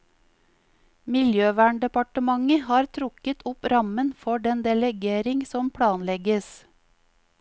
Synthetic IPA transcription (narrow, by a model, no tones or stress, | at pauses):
mɪljøːʋæːɳɖɛpɑʈəmɑŋəhɑːɾt̪ʰɾʊkət̪ʰɔpɾɑmənfɔɖɛnd̪ɛlɛɡeːɾɪŋsɔmpʰɽɑːnlɛɡəs